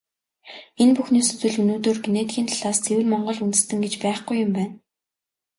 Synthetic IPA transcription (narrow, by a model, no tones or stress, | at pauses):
enpuxniːsɵ̥t͡swɘ̆ɮɵnoːt̪oːrɡeneːt̪ɡʲiːnt̪ʰaɮaːst͡sʰewɘ̆ɮmɔɴɢɞ̆ɮunt̪ɘ̆st̪ɘ̆ŋɡet͡ɕpæːχɡujːʊ̆mpæːn